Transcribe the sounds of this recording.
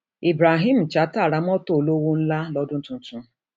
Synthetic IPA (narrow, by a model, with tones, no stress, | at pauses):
i˨bɾa˨ɦi˦m̩˨t͡ʃa˨˦ta˦˨ɾa˦m̩˦ɔ˦to˦˨lo˦wo˦n̩˦la˦lɔ˦dʊ˦n̩˦tʊ̃˦n̩˦tʊ˦